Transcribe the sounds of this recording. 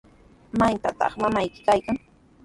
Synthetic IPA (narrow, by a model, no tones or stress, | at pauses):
majt̪a̰t̪ɑ̰χmamajkɪ̥kajkaŋ